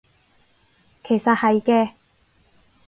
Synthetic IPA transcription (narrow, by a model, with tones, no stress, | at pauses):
kʰe˨˩jsɐ˨t̚hɐ˨jkɛː˧